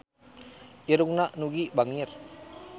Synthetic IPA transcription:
iɾuŋnaʔnuɡibaŋir

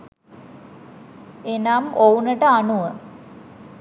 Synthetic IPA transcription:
enamounəʈəanuʋə

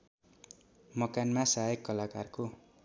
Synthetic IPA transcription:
mʌkanmasaekːʌlakarko

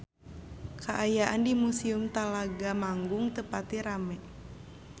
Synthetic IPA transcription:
kʰaʔajaʔandimusiumt̪alaɡamaŋɡʊŋt̪əpat̪iɾamɛ

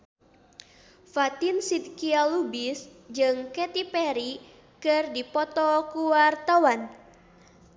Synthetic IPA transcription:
fat̪insid̪̚kialubisd͡ʒɨŋkɛt̪ipɛɾi | kɨrdipɔt̪ɔkuwart̪awan

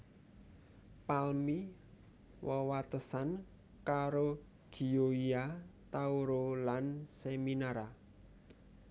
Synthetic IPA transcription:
palmi | wəwat̪əsan | kaɾo | ɡ̥i̤oiat̪auɾolanseminaɾa

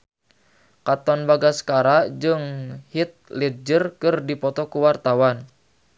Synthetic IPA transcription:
kat̪ɔnbaɡaskaɾaʔd͡ʒɨŋhit̪̚lid͡ʒərkɨrdipɔt̪ɔkuwart̪awan

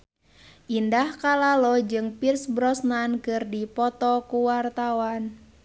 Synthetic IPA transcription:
ʔindahkalalɔd͡ʒɨŋpirsbɾɔsnankɨrdipɔt̪ɔkuwart̪awan

